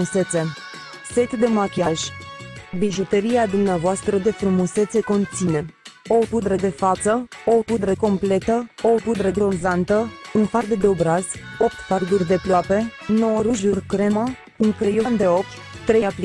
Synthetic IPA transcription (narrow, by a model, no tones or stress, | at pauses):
use̞t̪se̞ | se̞t̪d̪e̞makʲiaʒ | biʒut̪əɾiad̪umneavoast̪ɾəd̪e̞fɾumuse̞t̪se̞ko̞nt̪sine̞ot̪ud̪ɾəd̪e̞fat̪səot̪ud̪ɾəko̞mple̞t̪əot̪ud̪ɾəɡ̪eɾozant̪əunfard̪d̪eo̞bɾaz̥o̞pt̪fard̪urʲd̪e̞ploape̞no̞wəɾuʒurkɾe̞mə | unkɾejond̪e̞o̞p̚t̪ | t̪ːɾejapli